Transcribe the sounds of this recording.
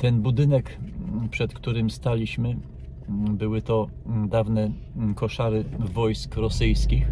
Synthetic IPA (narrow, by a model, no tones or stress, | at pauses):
t̪ɛnbud̪ɘnɛkpʂɛt̪kt̪uɾɘmst̪alʲiɕmɘ | bɘwɘt̪ɔ | d̪avnɛ | kɔʂaɾɘvɔjskɾɔsɘjskʲix